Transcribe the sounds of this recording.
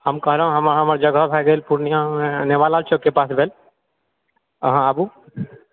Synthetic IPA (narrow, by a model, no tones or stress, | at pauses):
həmkəɦɾəɦũɦəməɾɦəməɾd͡ʒəɡʱəbʱɛɡelpuɾnijãmeneʋalalt͡ʃʰokːepasbʱel | ɦãabu